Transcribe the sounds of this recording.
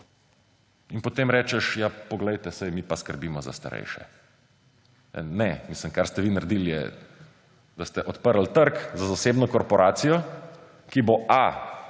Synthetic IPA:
inpɔt̪eːmɾɛːt͡ʃɛʃjapɔɡlɛjt̪ɛsɛjmipaskəɾbiːmɔza̰st̪a̰ɾɛ̰jʃɛ̰ | nɛmisləmkaɾst̪ɛʋinaɾd̪iljɛ̰ | d̪ast̪ɛʔɔt̪pəɾl̩t̪əɾkzazaseːbnɔkɔɾpɔɾaːt̪sijɔ | kiboʔa

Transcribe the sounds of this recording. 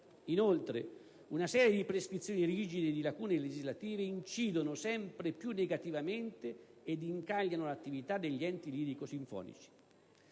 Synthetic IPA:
inolt̪ɾḛ | unasɛːɾjed̪ipɾeskɾit̪sːjoːniriːd͡ʒid̪ed̪ilakuːneled͡ʒizlat̪iːveint͡ʃiːd̪onosɛmpɾepjunːeɡat̪ivament̪eed̪iŋkaʎːanolat̪ːivit̪ad̪eʎːiɛnt̪ilid̪ikosiɱfɔ̰ːnḭt͡ʃi̥

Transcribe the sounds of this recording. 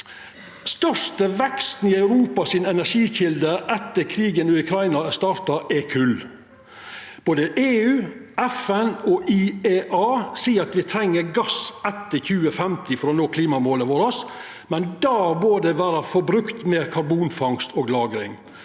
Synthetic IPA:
st̪œʂt̪əʋɛkst̪n̩ɪɑʉɾuːpɑsɪnɛnæʂiːçɪld̪əɾʔɛt̪ːəkʰɾiːɡənɔːʉkʰɾɑɪnɑst̪ɑːɾt̪ɑʔɛkʰʉl | b̥oːd̪əʔeːʉːʔɛfɛnɔʔieːʔɑːsiːəɾɑt̪ʋɪt̪ʰɾɛŋːəɾɡɑsɛt̪ːəçʉːəfɛmt̪ɪfɔɾɔnoːkʰliːmɑmoːləʋoːɾəs | mɛnd̪ɑːbøːd̪əʋæːɾəfɔɾbɾʉkt̪meːɾkʰɑɾbuːnfɑŋst̪oːɡlɑːɡɾɪ̰ŋ

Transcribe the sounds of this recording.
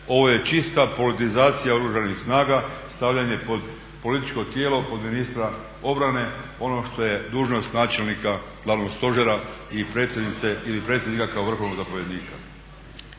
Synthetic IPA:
o̞ʋo̞je̞t͡ʃist̪apo̞lit̪izaːt̪sijao̞ɾuʒanixsnaːɡast̪aʋʎaɲe̞po̞d̪ | po̞lit̪it͡ʃko̞t̪je̞ːlo̞po̞d̪minist̪ɾa | o̞bɾane̞o̞no̞ʃt̪o̞je̞d̪uːʒno̞st̪naːt͡ʃe̞lnika | ɡlˠaʋno̞ɡst̪o̞ʒeɾaipɾet̪sjed̪nit̪seilipɾet̪sʲjed̪nikakao̞ʋr̩xo̞ʋnoɡzapo̞ʋje̞d̪niːka

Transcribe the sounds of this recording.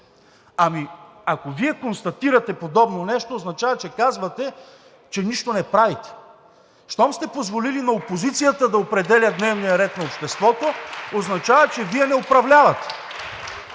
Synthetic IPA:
amiakoviɛkonst̪ɐt̪iɾɐt̪ɛpod̪ɔbnonɛʃt̪oːznɐt͡ʃavɐt͡ʃɛkazvɐt̪ɛ | t͡ʃɛniʃt̪onɛpɾavit̪ɛ̥ | ʃt̪ɔmst̪ɛpozvolilinɐopozit̪sijət̪əd̪ɐopɾɛd̪ɛlʲəd̪nɛvnijɐɾɛt̪nɐopʃt̪ɛst̪vɔt̪ooznɐt͡ʃavət͡ʃɛviɛnɛopɾɐvlʲavɐt̪ɛ̥

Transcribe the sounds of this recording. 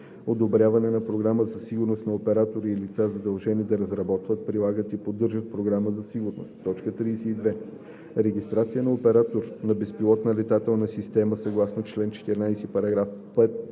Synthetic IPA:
od̪obɾʲjavɐnɛnɐpɾoɡɾaməzɐsiɡʊɾnost̪nɐopɛɾat̪oɾiːlit̪sazɐd̪ɐlˠʒɛnid̪ɐɾɐzɾɐbɔt̪vət̪̚pɾilˠaɡət̪ipod̪ːɤɾʒət̪̚pɾoɡɾaməzɐsiɡʊɾno̰st̪t̪ːɔt͡ʃkət̪ɾiːsɛid̪vɛ | ɾɛɡʲist̪ɾat̪sijənɐopɛɾat̪oɾnɐbɛspilˠɔt̪nəlɛt̪at̪ɛlˠnɐsist̪ɛməsɐɡlˠasnot͡ʃlɛnt͡ʃɛ̥t̪iɾnajsɛpɐɾɐɡɾafpɛt̪

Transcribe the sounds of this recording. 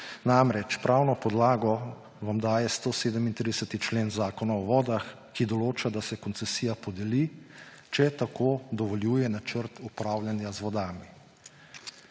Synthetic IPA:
namɾɛt͡ʃpɾʔawnɔpɔd̪laːɡɔ | ʋamd̪aːjɛst̪oːseːd̪əmint̪ɾid̪ɛsət̪it͡ʃleːnzaːkɔnaɔʋɔːd̪ax | kid̪ɔloːt͡ʃad̪asɛkɔnsɛsiːjapɔd̪ɛli | t͡ʃɛt̪akoːd̪ɔʋɔljuːjɛnat͡ʃəɾt̪upɾaːwlʲjanjazʋɔd̪aːmi

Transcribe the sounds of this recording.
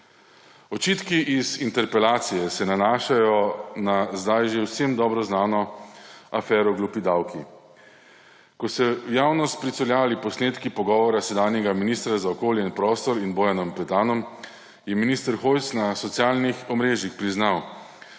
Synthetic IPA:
ɔt͡ʃiːt̪kiʔizint̪ɛɾpɛlaːt̪sijɛsɛnanaːʃajɔnazd̪ajʒewsemd̪ɔːbɾɔznaːnɔ | afɛːɾɔɡlupid̪awkʰi | kɔsɛwjaːwnɔst̪̚pɾit̪sɔljaːlipɔsneːt̪kipɔɡɔːʋɔɾasɛd̪aːnjɛɡaminiːst̪ɾazaɔkoːljɛinpɾɔːst̪ɔɾinboːjanɔmpɛt̪aːnɔm | jɛminist̪əɾxoj̪snasɔt̪sjaːlnixɔmɾeːʒjixpɾiznaw

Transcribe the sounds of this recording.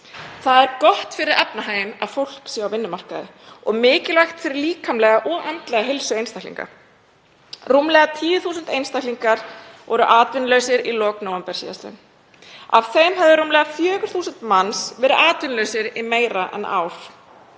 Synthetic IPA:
θaðɛɾkɔht̪fɪɾɪɾɛpnaɦaːjɪna̰ðfowl̥ksjaɣawvɪnːʏmar̥kaðɪ | ɔɣmɪːcɪlajxt̪fɪɾɪɾliːkʰamlɛɣaʔɔɣʔɛnt̪lɛɣaɦɪlsʏejnst̪ajklḭŋka̰ | rumlɛɣat̪ʰiːvʏθuːsʏnt̪ejnst̪ajkliŋkaɾ̥vɔɾʏʔaːt̪vɪnlœːɥsɪɾilɔːknoːwɛmpɛɾ̥sḭa̰slɪ̰n | a̰v̥θejmɦɛvðʏɾumlɛɣafjœːɣʏɾ̥θuːsʏnt̪mansvɛːɾɪʔaːt̪vɪnlœɥsɪɾimeːjɾaʔɛ̰nʔa̰ːwr̥

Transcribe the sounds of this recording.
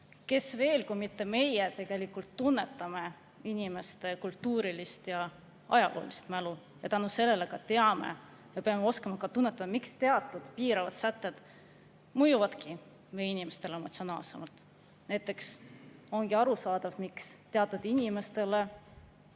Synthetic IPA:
ke̞sve̞ːlkujmit̪ːe̞me̞jet̪e̞ɡ̥e̞likult̪ːunːe̞t̪ːˑɑme̞ | inʲime̞st̪e̞kult̪ːuːɾilist̪jɑ | ɑjɑlʔo̰ːlist̪mælu | jɑt̪ænuse̞lːe̞lekɑt̪e̞ɑme̞̰ | jɑpeɑmeo̞skɑmɑkɑt̪unːet̪ːˑɑmɑmikst̪e̞ɑt̪ːˑud̪̥piːɾɑvɑd̪sæt̪ːe̞d̪̥ | mɤjuvɑd̪̥ki | mejinime̞st̪e̞lemo̞t̪sʲio̞nɑːlse̞̰mɑlt̪ˑ | næjt̪ːˑe̞kso̞nɡiɑɾusɑːd̪̥ɑvmikst̪e̞ɑt̪ːˑud̪̥inʲime̞st̪e̞le̞

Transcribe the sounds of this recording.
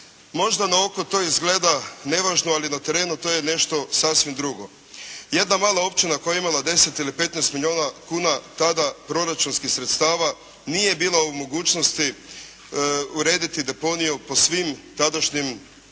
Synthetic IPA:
mo̞ʒd̪anao̞kot̪o̞izɡle̞ːd̪ane̞ʋaʒnualinat̪e̞ɾe̞ːnut̪o̞ːje̞ne̞ʃt̪o̞sasʋimd̪ɾuɡo̞ | je̞d̪namaːlao̞pt͡ʃinakojeimalˠad̪e̞se̞t̪ilipe̞t̪nɛst̪milʲo̞ːnakuːnat̪ad̪apɾo̞ɾat͡ʃunskixsɾet̪st̪aːʋa | nije̞biːlˠaumo̞ɡuːt͡ʃno̞st̪i | uɾe̞ːd̪it̪id̪e̞po̞nijupo̞sʋimt̪ad̪aʃɲim

